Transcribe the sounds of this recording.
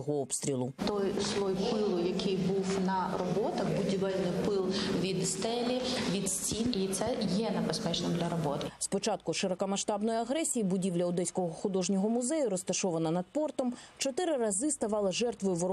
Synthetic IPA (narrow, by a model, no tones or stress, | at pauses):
ɦɔɔpst̪ɾʲilˠʊt̪ɔjslˠɔjpɪlˠʊjɐkɪjbuwnɐrɔbɔt̪ɐxbʊdʲiʋɛlʲnɪpɪlˠʋʲid̪st̪ɛlʲiʋʲid̪sʲtʲinit̪sɛjɛnebespɛt͡ʃnɪmd̪lʲɐɾɔbɔt̪spɔt͡ʃɑt̪̚kʊʃɪɾɐkɐmɐʃt̪ɑbnɔjiɐɦɾɛsʲijibʊdʲiʋlʲɐʊd̪ɛsʲkɔɦɔxʊd̪ɔʒnʲɔɦɔmʊzɛjʊɾɔst̪ɐʃɔʋɐnɐnɐd̪̥̚pɔrt̪ɔmt͡ʃɔt̪ɪɾɪrɐzɪst̪ɐʋɑlˠɐʒɛrt̪ʋɔjʊʋɔ